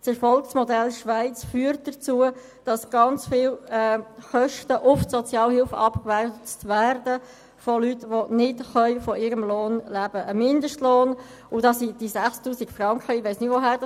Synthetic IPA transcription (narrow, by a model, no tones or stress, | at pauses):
sɛɾfɔlksmɔdɛlʃʋaɪt͡sfyːəɾt̚d̥ət͡suːə | d̥ɑsɡ̥ɑnt͡sfɪːlɛχœʃtəʔʊfsɔt͡sjɑːlhɪlfəɑpkʋɛtværdə | folytʋonɪdχœʏfɔʔɪːɾəmloːnlæb̥əʔəmɪndəʃtloːn | ʊdɑsid̥isæχstuːsɪɡfrɑŋkχəɪʋaɪsnɪtʋoɦæ